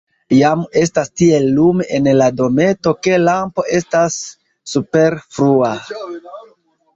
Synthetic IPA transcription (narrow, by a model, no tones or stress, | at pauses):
jame̞stastie̞lːumʔenlado̞me̞to̞ke̞lampo̞ʔe̞stasː | upe̞ɾfɾua